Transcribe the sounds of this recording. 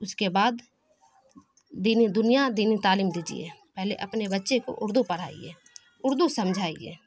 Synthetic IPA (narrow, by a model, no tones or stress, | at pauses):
ʊskebaːd̪ | iːnid̪ʊnijad̪iːnit̪aːliːmd̪iːd͡ʒḭḛːpɛɦlḛʔɐpnebətːʃeko̰ʔʊɾd̪upəɽ̤a̰ːḭḛː | ʊɾd̪usəmd͡ʒʱaːḭḛː